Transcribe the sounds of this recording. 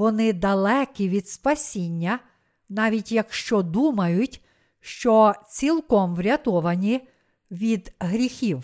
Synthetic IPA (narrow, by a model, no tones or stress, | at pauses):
ʋɔnɪd̪ɐlˠɛkʲiʋʲid̪spɐsʲinʲːɐ | nɑʋʲitʲjɐkʃt͡ʃɔd̪umɐjʊtʲ | ʃt͡ʃɔt͡sʲilˠkɔmʋɾʲɐt̪ɔʋɐnʲi | ʋʲid̪ɦɾʲixʲiw